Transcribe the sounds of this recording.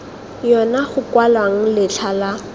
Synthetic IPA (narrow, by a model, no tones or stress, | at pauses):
jɔnaχʊkwalaŋ̩lɪt͡ɬʰala